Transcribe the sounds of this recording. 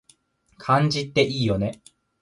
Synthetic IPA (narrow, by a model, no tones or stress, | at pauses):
kʰãɲd͡ʑit̪ːe̞ʔiːjo̞ne̞